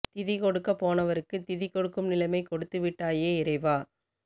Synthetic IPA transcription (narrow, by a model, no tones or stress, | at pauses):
t̪ɪðɪkɔɽɯkːɐpːoːnɐʋɐɾɯkːɯt̪ɪðɪkɔɽɯkːɯmnɪlɐɪmɐɪkɔɽɯt̪ːɯʋɪʈːaːjeːɪɾɐɪʋaː